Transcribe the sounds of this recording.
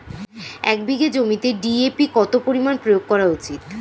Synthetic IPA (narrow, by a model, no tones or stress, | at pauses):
ɛk̚biɡed͡ʑomit̪eɖiepikɔt̪opoɾimanpɾojoɡ̚kɔɾaut͡ɕit̪